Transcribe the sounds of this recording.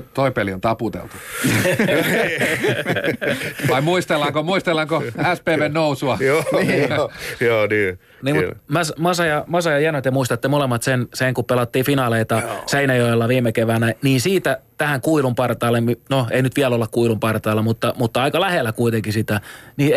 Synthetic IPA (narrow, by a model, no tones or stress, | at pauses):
t̪oipeliont̪ɑput̪ḛlt̪u̥ | ʋɑimuist̪elːɑŋkomuist̪elːˑɑŋkoæspeːʋennousuɑjoː | joːniː | niːmmæsmɑsɑjɑmɑsɑjɑjiænot̪jemuist̪ɑt̪ːemolemːɑt̪senseŋkuppelɑt̪ːiːfinɑleit̪ɑseinɑjoelːɑʋiːmekeʋænæniːnsiːt̪æt̪æhæŋkuilumpɑrt̪ɑːlːemminoeinyt̪ʋiælolːɑkkuilumpɑrt̪ɑːlːɑmut̪ːɑmut̪ːɑɑikɑlæhelːækuit̪eŋkisit̪æniː